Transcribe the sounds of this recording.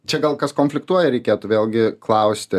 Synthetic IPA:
t͡ʃʲɛɡɐlˠkɐskoːnʲfʲlʲɪkt̪uɔjɛɾʲɛɪkʲeːt̪ʊʋʲeːlʲˠɡʲɪklˠɐʊsʲt̪ʲɪ

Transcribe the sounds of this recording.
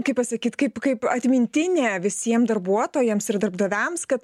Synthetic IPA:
kɐɪpɐsɐkʲiːt̪kɐɪpkɐɪpɐt̪ʲmʲɪnʲt̪ʲɪnʲeːʋʲɪsʲiɛmd̪ɐrɾbuɔt̪oːjɛmsɪɾd̪ɐrbd̪ɐʋʲɛmskɐt̪

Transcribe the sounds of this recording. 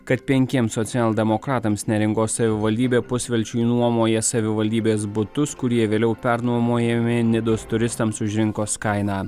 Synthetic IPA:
kɐt̪pʲɛŋʲkʲiɛmsɔt̪sʲɪɛːlˠd̪ʲɛmɔkɾɑːt̪ɐmsnʲɛɾʲɪŋkoːsɐʋʲɪʋɐlʲd̪ʲiːbʲeːpʊsʲʋʲɛlʲt͡ʃʲʊɪnuɔmoːjɛsɐʋʲɪʋɐlʲd̪ʲiːbʲeːsbʊt̪ʊskʊɾʲiɛʋʲeːlʲɛʊpʲɛɾnuɔmoːjɛmʲɪnʲɪd̪ʊst̪ʊɾʲɪst̪ɐmsʊʒʲɾʲɪŋkoːskɐɪnɑː

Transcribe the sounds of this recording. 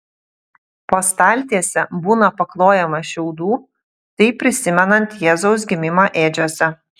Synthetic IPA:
poːst̪ɑˑlʲt̪ʲiɛsʲɛbuːnɐpɐklˠoːjɛmɐʃʲɛʊd̪uː | t̪ɐɪpʲɾʲɪsʲɪmʲɛnɐnt̪jɛːzɒʊs̬ɡʲɪmʲɪmɑːʔeːd͡ʒʲuɔsʲɛ

